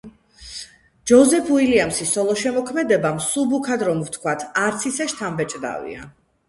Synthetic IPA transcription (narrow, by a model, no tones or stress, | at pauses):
d͡ʒɔzɛpʰuiliamsisɔlˠɔʃɛmɔkʰmɛd̪ɛbamsubukʰad̪ɾɔmwt̪ʰkʰwat̪ʰaɾt̪sʰisɛʃt̪ʰambɛt͡ʃʼd̪a̰vḭa̰